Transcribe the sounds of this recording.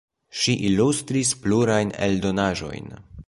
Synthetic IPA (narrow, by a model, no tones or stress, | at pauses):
ʃiʔilustɾispluɾajnḛldo̞naʒo̞̰jn